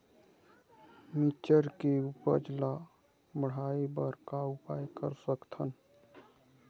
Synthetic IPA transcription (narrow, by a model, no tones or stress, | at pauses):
mit͡ʃəɾkeupəd͡ʒla | məɽ̤aːebəɾkaʊpaːjkə̰ɾsəkt̪ʰən